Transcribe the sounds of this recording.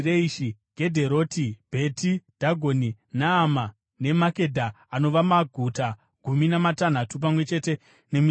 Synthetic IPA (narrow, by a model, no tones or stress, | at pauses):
reiʃiɡʱe̞dʱe̞ɾo̞ːtibʱe̞tid̥ʱaɡʱoninaːma | ne̞make̞dʱaː | no̞ʋamaɡʱuta | ɡ̥ʱuminamatan̤atup̬amwe̞t͡ʃe̞te̞ | ne̞mi